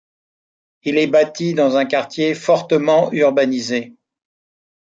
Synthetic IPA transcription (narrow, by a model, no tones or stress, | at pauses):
ilɛbat̪id̪ɑ̃zɛ̃kaʁt̪jefɔʁt̪əmɑ̃yʁbanize